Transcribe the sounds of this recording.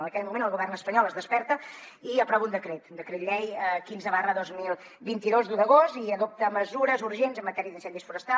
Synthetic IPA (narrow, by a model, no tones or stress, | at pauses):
ənəkɛʎmumẽnəlˠɣuβɛrnəspəɲɔlˠəzðəspɛɾt̪ə | iəpɾɔβund̪əkɾet̪nd̪əkɾet̪ʎɛjəkinzəβarəðozmilˠ | bint̪iðozd̪uðəɣ̞ost̪iəðop̚t̪əməzuɾəzuɾʒenzəmːət̪ɛɾiəðinsɛnd̪isfuɾəst̪a